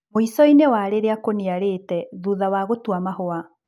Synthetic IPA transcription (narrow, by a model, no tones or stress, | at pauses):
moisɔinewaɾeɾeakoniaɾetɛðuːðawaɣotwamahoa